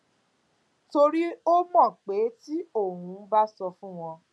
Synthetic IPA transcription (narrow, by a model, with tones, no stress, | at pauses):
to˧ɾi˦o˦mɔ̃˦˨k͡pe˨˦ti˦o˦˨ɦũ˨˦ba˦sɔ˧fũ˦w̃ɔ̃˧